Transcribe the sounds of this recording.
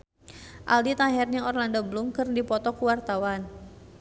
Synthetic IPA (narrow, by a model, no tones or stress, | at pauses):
ʔa̰ldit̪aɦɛrɲaŋɔrlandɔblumkɨrdipɔt̪ɔkuwart̪awan